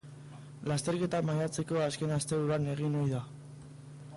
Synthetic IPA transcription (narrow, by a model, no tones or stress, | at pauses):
last̪e̞ɾke̞t̪amajat͡se̞ko̞aske̞nast̪e̞uɾane̞ɣ̞inojða